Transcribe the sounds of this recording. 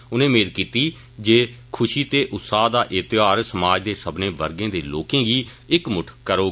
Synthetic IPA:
ʊnẽːmeːɾkiːt̪iː | d͡ʒeːkʰʊʃiːt̪eːʔʊt̪saːd̪aːʔɪt̪ɪaːɾsəmaːd͡ʒd̪eːsəbnẽːʋəɾɡẽːd̪eːlo̰ːkẽːɡiː | ɪkmʊʈʰkəɾoː

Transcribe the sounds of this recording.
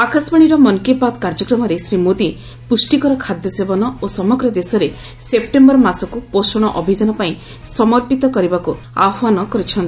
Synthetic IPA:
akʰasbaɽ̃iɾɔmɔnkepad̪kaɾd͡ʒɔkɾɔmɔɾesɾimod̪i | pusʈikɔɾɔkʰad̪jɔsebɔnɔosɔmɔɡɾɔd̪esɔɾe | sep̚ʈembɔɾmasɔkuposɔɽ̃ɔʔɔbʱid͡ʒɔnɔpaĩ | sɔmɔɾpit̪ɔkɔɾibaku | a̰ɦanɔkɔɾit͡ʃʰɔnt̪i

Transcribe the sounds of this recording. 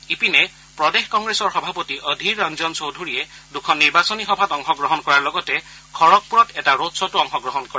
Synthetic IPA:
ipinɛ | pɹɔdexkɔŋɡɹesɔɹxɔbʱapɔtiʔəd̪ʱiɹːanzɔnsowdʱuɹijɛdukʰɔnːiɹbasɔnixɔbʱatɔŋxɔɡɹɔɦɔnkɔɹaɹlɔɡɔtɛ | kʰɔɹɔk̚puɹɔtɛtaɹotsɔtuɔŋxɔɡɹɔɦɔnkɔɹɛ

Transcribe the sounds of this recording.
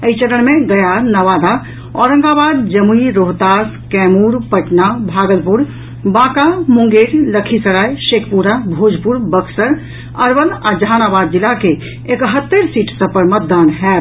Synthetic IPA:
əit͡ʃəɾəɽ̃meɡəjanəʋad̪a | ɔɾə̃ŋɡabad̪d͡ʒəmuiɾoɦt̪askɛmuɾpəʈnabʱaɡəlpuɾ | bãkamũŋɡeɾləkʰisəɾajʃekʰpuɾabʱod͡ʒʱpuɾbəkʰsəɾ | əɾbənad͡ʒəɦanabad̪̚d͡ʒilːake | ekɦət̪ːeɾsiʈsə̃pəɾmət̪̚d̪anɦɛt̪

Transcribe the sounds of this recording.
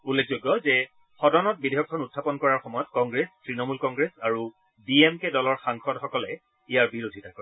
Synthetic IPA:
ulːezoɡɔzɛ | xɔdɔnɔt̚bidʱejɔk̚ʰːɔnutʰːapɔnkɔɹaɹxɔmɔjɔtkɔ̃ŋɡɹestɹinɔmulkɔŋɡɹesaɹu | biemkɛdɔlɔɹxaŋxʰɔdxɔkɔlɛ | ijaɹbiɹodʱitʰakɔɹ

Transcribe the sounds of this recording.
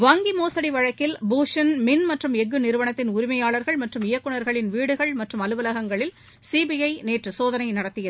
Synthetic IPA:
ʋɐŋɡimoːsɐɽiʋɐɻɐkːɪlbuːʂɐnmɪnmɐʈrɯmɛɡːɯnɪɾɯʋɐɳɐt̪ːɪnʊɾɪmɐjaːɭɐɾɣɐɭmɐʈrɯmɪjɐkːɯɳɐɾɣɐɭɪnʋiːɽɯɣɐɭmɐʈrɯmɐlɯʋɐlɐɣɐŋɡɐɭɪl | siːbijɐɪneːʈrɯsoːðɐnɐɪnɐɽɐt̪ːɪjɐð

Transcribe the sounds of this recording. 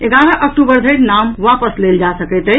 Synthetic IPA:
eɡaɾəʔək̚ʈubəɾd̪ʱəɪɾnamʋapəsleld͡ʒasəkət̪ə

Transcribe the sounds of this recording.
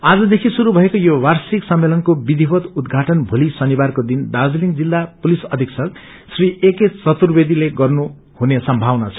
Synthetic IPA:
ad͡zʌd̪ekʰisuɾubʱʌekojowarsiksʌmːelʌnkobid̪ʱibʌt̪ud̪ɡʱaʈʌnbʱulisʌnibarkod̪ind̪ad͡zliŋɡd͡zilːapulisʌd̪ʱiksʌk | srieket͡sʌt̪urbed̪ileɡʌrnu | hunesʌmbʱawnat͡sʰʌ̥

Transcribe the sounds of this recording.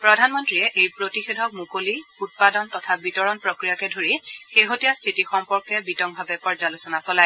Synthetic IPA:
pɹɔdʱanmɔntɹiɛʔejpɹotixedʱɔk̚mukoliut̚padɔntɔtʰabitɔɹɔnpɹokɹijakɛdʱoɹixeɦotijastʰitixɔmpɔɹkɛbitɔŋbʱabɛpɔɹzalusɔnasɔlaj

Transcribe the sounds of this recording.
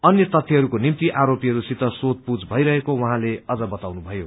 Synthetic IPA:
ʌnjʌt̪ʌt̪ʰːiɦʌɾukonimt̪iʔaɾopiɦʌɾusit̪ʌsot̪̚pud͡zbʱʌiɾʌɦekowʌɦãleʌd͡zʌbʌt̪awnubʱʌjo

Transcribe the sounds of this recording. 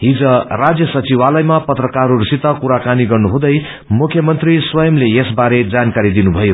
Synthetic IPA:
ɦid͡zʌ̃rad͡zjʌsʌt͡siwalʌjmapʌt̪rʌkaɾurisit̪ʌkuɾakaniɡʌrnuɦũd̪ʌj | mukʰjʌmʌnt̪riswʌjʌmlejesbaɾed͡zankaɾid̪inubʱʌjo

